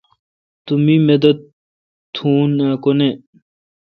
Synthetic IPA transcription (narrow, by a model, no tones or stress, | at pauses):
t̪umimed̪ɐt̪ | t̪ʰuːnakone